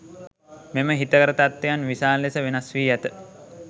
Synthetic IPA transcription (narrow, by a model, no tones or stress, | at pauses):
meməɦit̪əkəɾət̪at̪ːejanʋisaːlːesəʋenasʋiːæt̪ə